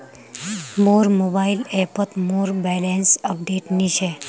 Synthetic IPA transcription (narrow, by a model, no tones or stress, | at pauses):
moɾmobailepət̪moɾbɛlensəp̚ɖeʈniɕe